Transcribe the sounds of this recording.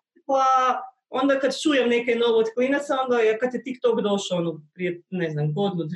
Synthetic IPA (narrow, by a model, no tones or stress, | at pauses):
pa | ond̪akad̪t͡ʃuːjɛmnekejnoʋot̪klinat̪saond̪ajakat̪jet̪ikt̪oɡd̪oʃoonopɾienɛznamɡod̪nud̪